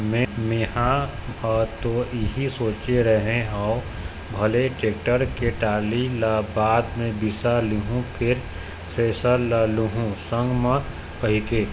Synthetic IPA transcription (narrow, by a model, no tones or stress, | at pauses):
mẽmeːɦãat̪oɪɦisoːt͡ʃeɾəɦẽaːʊ | bʱɐleʈeːk̚ʈəɾkeʈaːlilabaːd̪mẽbɪsaliɦũpʰɪɾ | seːsəlaluɦũsə̃ŋɡmə̃ | kəɦɪkeː